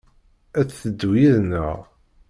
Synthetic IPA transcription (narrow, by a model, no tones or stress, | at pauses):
æt͡sːθəd̪ːwiðnə̰ʁ